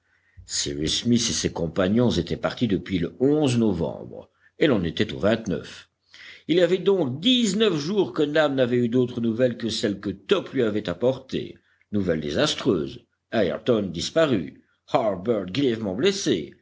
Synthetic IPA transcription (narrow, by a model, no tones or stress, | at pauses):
sḭʁismisesekɔ̃paɲjɔ̃zet̪ɛpaʁt̪id̪əpɥiləɔ̃znɔvɑ̰̃bʁ | elɔ̃net̪ɛt̪o̰vɛ̃t̪nœ̰f | iliavɛd̪ɔ̃k̚d̪iznəfʒuːʁkənamnavɛyd̪ot̪χənuvɛlkəsɛlkət̪ɔplɥiavɛt̪apɔʁt̪ḛ | nuvɛld̪ḛzast̪χøːz | aɛ̰ʁt̪ɔnd̪ispaʁy̰ | haʁbɛʁt̪̚ɡʁijɛvmɑ̃blesḛ